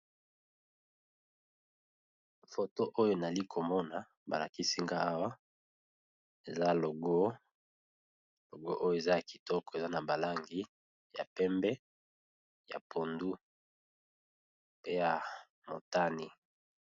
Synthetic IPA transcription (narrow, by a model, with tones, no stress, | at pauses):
fo˨to˦ʔo˦jo˦na˨li˦kʰo˨mɔ˦na˨ | ba˨la̰˨ki˦si˦ŋɡa˦a˦wa˦ | e˨za˦lo˨ɡo˦ | lo˨ɡo˦ʔo˦jo˦˨e˨za˦a˨ki̥˨tɔ˦kɔ˨e˨za˦na˨ba˨la˦ŋɡi˦ | ja̰˨pɛ˦mbɛ˦ | ja̰˨pʰo˨ndu˦ | pe˦ja˨ | mo˨ta˦ni˨